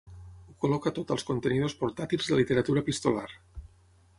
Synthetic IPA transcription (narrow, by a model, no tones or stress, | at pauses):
ukolokat̪ot̪əlskont̪enið̞ospoɾt̪at̪ilˠzðəlit̪eɾat̪uɾapist̪olaɾ